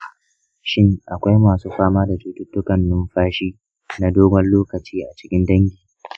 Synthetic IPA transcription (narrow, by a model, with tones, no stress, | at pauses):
ʃɪ˦ŋʔa˨kʷa˦jmaː˨suː˦ɸaː˦maː˦da˨tuː˨tʊ˦tːʊ˦kɐ˨nːʊ˦mɸaː˦ʃiː˦ | na˦doː˦ɡʷɐ˦nloː˦kɐ˨t͡ʃiː˦ʔa˨t͡ʃɪ̥˦kʲɪ˦ndɐ˦ŋɡʲiː˨